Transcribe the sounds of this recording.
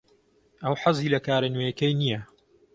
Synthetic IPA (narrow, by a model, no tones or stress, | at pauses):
ʔɐwħɑzˤiːlɐkaːɾɐnojɐkɐjnijɐ